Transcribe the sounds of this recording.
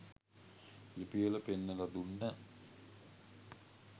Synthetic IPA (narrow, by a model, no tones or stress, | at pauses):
lipijələpenːəlad̪unːə